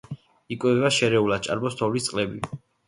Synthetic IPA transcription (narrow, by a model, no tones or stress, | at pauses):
ikʼwɛvɛbaʃɛɾɛulad̪̚t͡ʃʼa̰ɾbɔst̪ʰɔvlist̪sʼqʼlɛbi